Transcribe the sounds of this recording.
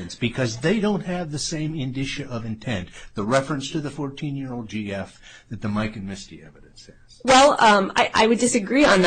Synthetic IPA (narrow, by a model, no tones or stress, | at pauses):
ɨ̃nsb̥ɨkʰʌzðeɪdõʊ̃nt̚hɨvðɨsẽɪ̃mɪ̃ndɪʃɨʔʌvɨ̃ntʰɛ̃nðəɹɛfɹɨ̃nstʰɨðɨfɔɹtʰĩnjɪɹoʊlˠd̚d͡ʒiɛfðɨt̪̚ðɨmaɪkɨ̃nmɪstḭɛvɨɾɨ̃nshɨz̥wɛlˠʌ̃ma̰ɪʔa̰ɪwɨdɨsɨɡɹiə̃nð